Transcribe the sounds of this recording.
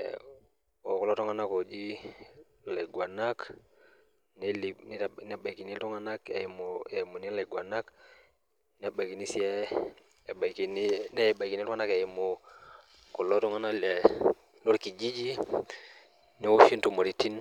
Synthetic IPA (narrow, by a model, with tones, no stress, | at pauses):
o˨ku˨lɔ˦tɔ˦ŋa˦na˦ko˨d͡ʒi˦ | le˨ɡwa˨na˦k | n˦li˨ni˦n˦ba˨ki˨ni˦lu˦ŋa˦na˦kḛ˨mo˨ɛ˨mo˨ni˦le˨ɡwa˨na˦k | n˦a˦ba˨ki˨ni˦si˦ɛ˦˨ | ba˨ki˨ni˦nɛ˦˨ba˨ki˨ni˦lu˦ŋa˦na˦ke˨i˨mo˨ | ko˨lɔ˦tɔ˦ŋa˦na˦lɛ˨ | lo˦ɾki˨d͡ʒi˦d͡ʒi˦ | ni˦o˦ʃi˦ntu˨mo˨ɾi˦ti˦n